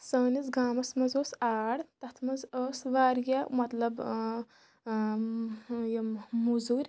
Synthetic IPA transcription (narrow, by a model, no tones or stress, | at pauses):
səːnizɡaːmɐsmɐzoːsaːɽt̪ɐt̪ʰmɐzəːsʋaːɾɡʲamɐt̪lɐb | jɐmuzuːɾʲ